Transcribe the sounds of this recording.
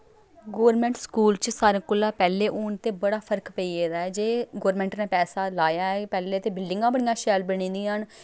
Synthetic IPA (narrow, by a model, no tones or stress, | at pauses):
ɡoːʋɾmɛ̃ːɳʈskuːlt͡ʃsaːɾãːkʊlːaːpɛːleːʔʊːɳt̪eːbəɽaːpʰəɾkpəiːeːd̪aːɛːd͡ʒeːɡoːɾmɛ̃ːɳʈnẽːpɛːsaːlaːjaːɛːpɛːleːt̪eːbɪlɖɪŋɡãːbəɽ̃ijãːʃɛːlbəɽ̃ĩːnd̪iːɦən